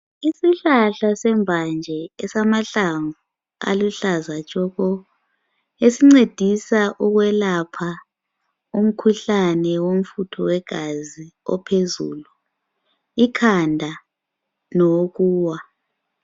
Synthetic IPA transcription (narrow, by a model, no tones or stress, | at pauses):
isiɬaɬasɛmbʱand͡ʒʱɛɛsamaɬaɱvu | a̰luɬazat͡ʃʼɔɣɔ | esiŋ͡ǀed̥ʱisaʔuɣwɛlapʰa | um̩kʰuɬanɛwom̩futʰɔwɛɡ̥ʱaziɔ̰pʰezṵːlu | ikʰandʱa | nɔɣuːwa